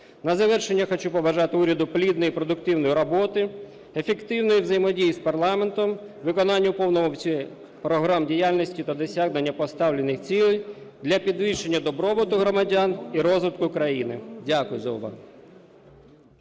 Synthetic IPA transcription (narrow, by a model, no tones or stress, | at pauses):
nɐzɐʋɛrʃenʲːɐxɔt͡ʃupɔʋɐʒɑt̪ɪuɾʲɐd̪ʊplʲid̪nɔjipɾɔd̪ʊkt̪ɪwnɔjiɾɔbɔt̪ɪ | efekt̪ɪwnɔjiʋzɐjimɔdʲijispɐrlˠɑment̪ɔmʋɪkɔnɑnʲːɐupɔwnɔɦɔwt͡sʲi | pɾɔɦɾɑmdʲijalʲnɔsʲtʲit̪ɐd̪ɔsʲaɣnenʲːɐpɔst̪ɑwlʲenɪxt͡sʲilˠ | d̪lʲɐpʲid̪ʋiʃenʲːɐd̪ɔbɾɔbɔt̪ʊɦɾɔmɐdʲɑniɾɔzʋɪt̪kʊkɾɐjinɪdʲakʊjʊzɐ̰ʊ̰ʋɑ̰s